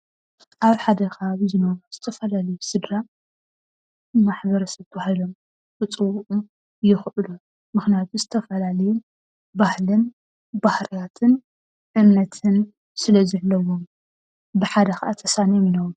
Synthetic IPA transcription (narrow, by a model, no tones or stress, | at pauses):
ʔaβħad̪ɐkaβzɨnoβuz̥ɨt̪ʰɐfɐlalɐjusɨd̪ɾa | maħbɐɾɐsɐβt̪ʰɐbahilo̞m | bɨt͡sʼɨwːuʔu | jɪxʔɨlu | mɨxnijat̪ʰuzɨt̪ʰɐfɐlalɐju | bahlɨn | bahɾijat̪ʰɨn | ʔɨmnɐt̪ʰɨn | sɨlɐzɨʕlːɐwom | bɨħad̪ɐxɐaʔat̪ʰɐsaneminɐw